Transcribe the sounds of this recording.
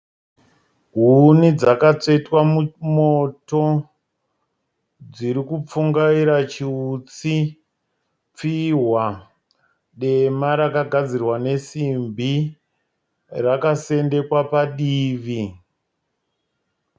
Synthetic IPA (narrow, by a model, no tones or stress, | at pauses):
ɦunid͡zakat͡ʂe̞twamumoto̞ | d͡ziɾikup͡fuŋɡaiɾat͡ʃiut͡si | p͡fiɦwa | ɗe̞maɾakaɡʱad͡zirwane̞simbi | rakase̞nde̞kwapaɗiːʋi